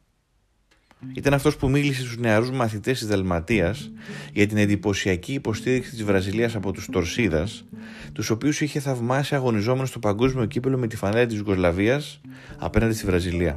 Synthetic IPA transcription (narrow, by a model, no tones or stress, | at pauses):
it̪ɐnɐft̪o̞spumilise̞st̪uzne̞ɐɾuzmɐθit̪e̞st̪izðɐlmɐt̪iɐsʝɐt̪̬ine̞nd̪ipo̞siɐciːpo̞st̪iɾiksit̪izvɾɐziliɐsɐpo̞t̪ust̪o̞ɾsiðɐs | t̪uso̞piusiçe̞θɐvmɐsiɐɣo̞nizo̞me̞no̞st̪o̞pɐŋɡo̞zmio̞ciplo̞me̞t̪ifɐnɐlɐt̪izjuɣo̞zlɐviɐs | ɐ̰pnɐnd̪esivɾɐziliɐ̰